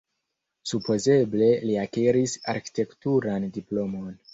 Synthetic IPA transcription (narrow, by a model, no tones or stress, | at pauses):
supo̞ze̞ble̞liakeɾisa̰ɾki̥te̞ktuɾandiplo̞mo̞n